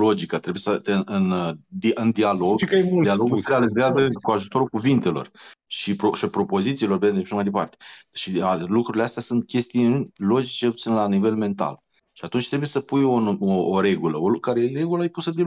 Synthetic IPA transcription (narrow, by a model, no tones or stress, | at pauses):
lo̞d͡ʒikət̪ɾe̞bujesət̪eɨnd̪iɨnd̪ialo̞ɡkmud̪ialoɡuealiveazəkuaʒut̪o̞ɾulkuvint̪e̞lo̞̰rʃipɾoʃpɾo̞po̞zit̪silo̞rbeeʃamajd̪e̞pa̰rt̪e̥ʃialukɾuɾile̞ast̪easunt̪̚kʲe̞st̪ijnlo̞d͡ʒit͡ʃept̪sinlanive̞lme̞nt̪a̰l | ʃiat̪unt͡ʃʲt̪ɾe̞bujesəpujonoːɾe̞ɡuləolkaɾejeɾe̞ɡulajepusəd̪e